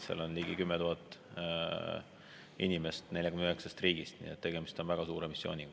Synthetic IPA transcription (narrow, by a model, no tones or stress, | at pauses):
sɑ̰lonliːɡ̥ikymːet̪uɦɑt̪ːˑ | inʲime̞st̪ne̞lʲjɑkymnyɦeksɑst̪riːɡ̥ist̪nḭːet̪ːe̞ɡ̥e̞mist̪o̞nvæɡ̥ɑsuːɾemisːjo̞ːnʲi